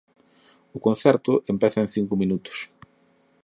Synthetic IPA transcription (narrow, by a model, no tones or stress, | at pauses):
ʊkon̟θɛɾt̪ʊʔempɛθɐenθiŋkʊmĩnut̪ʊ̥s